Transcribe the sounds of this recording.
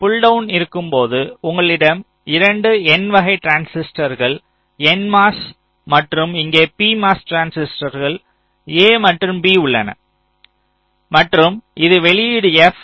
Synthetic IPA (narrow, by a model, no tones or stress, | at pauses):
pʊɭɖɐʊnɪɾɯkːɯmpoːðɯʊŋɡɐɭɪɽɐm | ɪɾɐɳɖɯɛnʋɐɣɐɪʈɾaːnsɪsʈɐɾɣɐɭ | ɛnmaːs | mɐʈrɯmɪŋɡeːpiːmaːsʈɾaːnsɪsʈɐɾɣɐɭ | eːmɐʈrɯmbiːʊɭːɐnɐ̰ | mɐʈrɯmʔɪðɯʋɛɭɪjiɽɯɛf